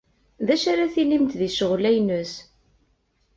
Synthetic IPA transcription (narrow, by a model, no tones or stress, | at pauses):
ðæʃaɾaθilimt̪ðiʃəʁlæjnəs